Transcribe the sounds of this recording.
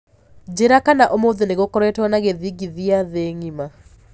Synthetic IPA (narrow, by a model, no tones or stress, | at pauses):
d͡ʑeɾakanaʔomoðeneɣokɔɾɛtwɔnaɣeðiɡiðiaðeːŋima